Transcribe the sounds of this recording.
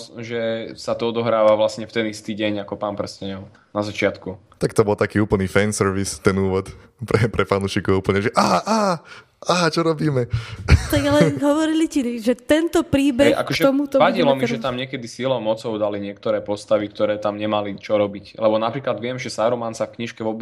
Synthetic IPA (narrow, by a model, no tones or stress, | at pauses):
ʒɛsat̪ɔɔd̪ɔɦɾaːʋaʋlasɲɛft̪ɛnist̪iɟɛɲakɔpaːnpr̩ɛscɛɲɔʊ | nazat͡ʃɪat̪ku | t̪akt̪ɔbɔlˠt̪akiːuːpl̩ˠniːfɛnsɛɾʋist̪ɛnuːʋɔt̪pɾɛpɾʔɛfanuːʃiːkɔʊuːpl̩ɲɛʒɛʔaʔaː | aɦt͡ʃɔɾɔbiːmɛt̪aɡalɛɦɔʋɔɾiliciʒɛt̪ɛnt̪ɔpɾiːbɛa̰kɔʒɛɔmut̪ɔʋailɔmiʒɛt̪amɲɪɛkɛd̪isilɔmɔt͡sɔʊd̪aliɲɪɛk̚t̪ɔɾɛːpɔst̪aʋikt̪ɔɾɛːt̪amɲɛmalit͡ʃɔɾɔbiclɛbɔnapɾiːklad̪ʋɪɛmʒɛsaːɾɔmansafkɲiʃkɛʋɔb